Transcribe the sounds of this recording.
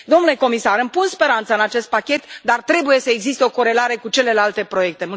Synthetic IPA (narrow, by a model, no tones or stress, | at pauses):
d̪o̞mnule̞ko̞misaɾɨmpunspe̞ɾant̪səɨnat͡ʃe̞st̪̚pakʲe̞t̪d̪art̪ɾe̞buje̞səeɡzist̪eo̞ko̞ɾe̞laɾe̞kut͡ʃe̞le̞lalt̪e̞pɾo̞je̞k̚t̪e̞mu